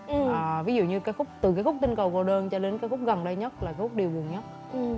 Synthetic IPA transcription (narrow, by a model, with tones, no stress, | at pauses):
ʔʔaː˨˩vi˨˦zṵ˧˨ɲɨ˧kaː˨˦jxʊ˦˥k͡p̚t̪ɨ˨˩kaː˨˦jkxʊ˦˥k͡p̚t̪ï˧ŋkə˨˩wko˨˧˩ɗəː˧nt͡ɕɔ˧ɗe˨˦nkaː˨˦kxʊ˦˥k͡p̚ɣə˨˩nɗə˧jɲə˦˥t̚laː˨˩kaː˨˦xʊ˦˥k͡p̚ɗi˨˩wɓu˨˩əŋɲə˦˥t̚